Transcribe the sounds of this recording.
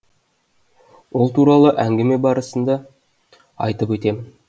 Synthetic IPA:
wo̞lˠt̪uɾɑlˠəʔæŋɡʲeme̞bɑɾəsənd̪ɑ | ɑ̰jt̪əpwɵt̪e̞mɪn

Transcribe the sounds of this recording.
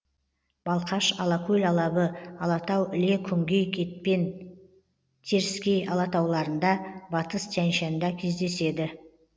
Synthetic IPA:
b̥ɑlˠqɑʃɑlˠɑkʲʰɵlʲɑlˠɑbəɑlˠɑt̪ɑwɪle̞kʲʰʏŋɡʲe̞jkʲʰe̞t̪̚pe̞n | t̪ʰe̞ɾɪskʲe̞jʔɑlˠɑt̪ɑwlˠɑɾənd̪ɑbɑt̪əst̪ʰænʃɑnd̪ɑkʲʰe̞zd̪e̞se̞d̪ɪ

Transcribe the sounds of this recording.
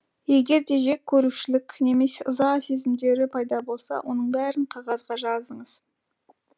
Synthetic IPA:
je̞ɡʲe̞ɾd̪e̞ʒe̞k̚ʲʰːɵɾuʃɪlɪkʲne̞me̞seʔəzɑse̞zɪmd̪e̞ɾɪpʰɑjd̪ɑbo̞lˠsɑ̰wʔo̞̰nəɴbæɾɪɴqʰɑʁɑzʁɑʒɑzəɴəz̥

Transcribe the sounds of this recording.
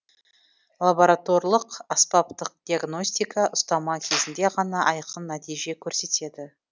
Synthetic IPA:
lˠaboɾat̪o̞ɾlˠəqaspapt̪əq̚d̪̥ʲiaɡno̞sʲt̪ijkɑʔʊst̪ɑmɑkʲʰe̞zɪnd̪e̞ʁɑnɑʔɑjqənːæt̪ijʒe̞kʲʰɵɾse̞t̪e̞d̪ɪ

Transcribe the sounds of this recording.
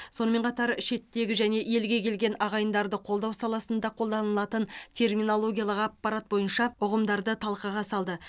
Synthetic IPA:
so̞nəme̞ɴqʰɑt̪ɑɾʃe̞t̪ːe̞ɡʲɪʒæne̞ʔje̞lɡʲe̞kʲʰe̞lɡʲe̞nɑʁɑjənd̪ɑɾd̪əqʰo̞lˠd̪ɑwsɑlˠɑsənd̪ɑqʰo̞lˠd̪ɑnəlˠɑt̪ənt̪ʰe̞rmino̞lˠo̞ɡʲijɑlˠəqɑpːɑɾat̪̚bo̞jənʃɑʊʁəmd̪ɑɾd̪ət̪ʰɑlˠqɑʁɑsɑlˠd̪ə

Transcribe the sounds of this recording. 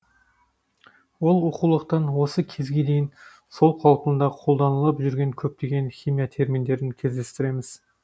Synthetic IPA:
wolˠoqulˠəqt̪ɑnwosəkʲʰezɡʲed̪ejɪn | solˠqʰɑlˠqʰʊnd̪ɑqʰolˠd̪ɑnəlˠɑpʒʏɾɡʲenkʲʰɵp̚t̪eɡʲenχʲimijɑt̪ʰe̞ɾmind̪eɾɪnkʲʰezd̪e̞st̪ɪɾe̞mɪz̥

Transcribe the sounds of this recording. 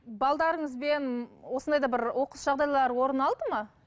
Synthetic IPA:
bɑlˠd̪ɑɾəɴəzbenwosənd̪ɑjd̪ɑbɪɾwo̞qəsʒ̥ɑʁd̪ɑjlˠɑɾwo̞ɾənɑlˠd̪əmɑ

